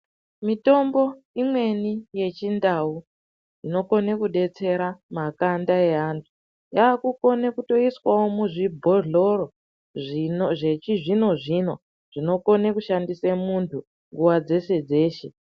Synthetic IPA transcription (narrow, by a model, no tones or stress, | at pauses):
mito̞mbo̞ | imwe̞nije̞t͡ʃindau | ino̞ko̞ne̞kuɗe̞t͡se̞ɾamakandae̞ɦantʰu̥ | jaːkuko̞nekuto̞iswawomuʐibʱo̞ɮo̞ɾo | ʐʐet͡ʃiʐino̞ʐino̞ | ʐ̥ino̞ko̞nekuʃandisemuntʰu | ŋɡuwad͡ze̞se̞d͡ze̞ːʃe̞